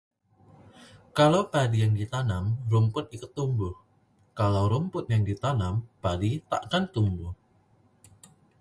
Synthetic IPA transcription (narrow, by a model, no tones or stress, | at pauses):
kalawpadijaŋdit̪anamrumpʊt̪̚ikʊt̪ːumbʊh | kalawɾumpʊt̪̚jaŋdit̪anampadit̪a̰ʔkant̪umbʊh